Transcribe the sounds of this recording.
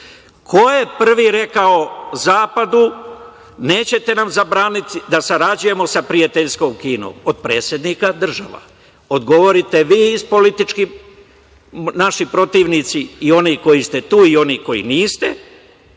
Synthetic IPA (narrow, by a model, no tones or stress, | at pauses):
kʰo̞je̞pr̩ʋiɾe̞kaozaːpad̪u | ne̞ːt͡ɕe̞t̪e̞namzabɾaːnit̪d̪asaɾad͡ʑuje̞mo̞sapɾiat̪eʎsko̞ːmkiːno̰ːmod̪̚pɾe̞ːt̪sje̞d̪nikad̪r̩ʒaʋa̰ | od̪ɡo̞ʋo̞ɾit̪e̞ʋiːispo̞lit̪it͡ʃki | naʃipɾo̞t̪iːʋnit̪siːo̞niko̞jist̪e̞t̪uːio̞niko̞jḭniːst̪e